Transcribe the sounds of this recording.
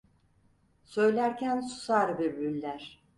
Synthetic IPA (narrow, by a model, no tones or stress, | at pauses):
sø̞jlʲæɾcʰænsu̥saɾbiɾbylʲːæɾ̥